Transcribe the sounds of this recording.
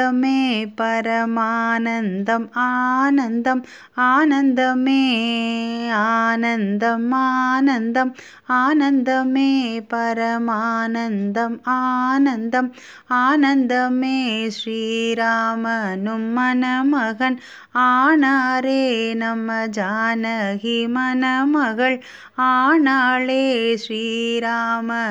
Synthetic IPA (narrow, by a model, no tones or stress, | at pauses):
ɐmeːpɐɾɐmaːnɐnd̪ɐmaːnɐnd̪ɐm | aːnɐnd̪ɐmeː | aːnɐnd̪ɐmaːnɐnd̪ɐm | aːnɐnd̪ɐmeːpɐɾɐmaːnɐnd̪ɐmaːnɐnd̪ɐm | aːnɐnd̪ɐmeːʂɾiːɾaːmɐnumːɐnɐmɐɣɐn | aːɳaːɾeːnɐmːɐd͡ʒaːnɐɣimɐnɐmɐɣɐɭ | aːɳaːɭeːʂɾiːɾaːmɐ